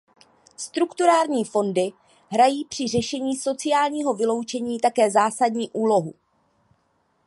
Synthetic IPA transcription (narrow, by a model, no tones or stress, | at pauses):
st̪ɾukt̪uɾaːɾɲiːfo̞ndɪ | ɦɾajiːpr̝̥ɪrɛʃɛɲiːso̞t͡sɪjaːlɲiːɦo̞vɪlo̞wt͡ʃɛɲiːt̪akɛːzaːsadɲiːʔuːlo̞ɦṵ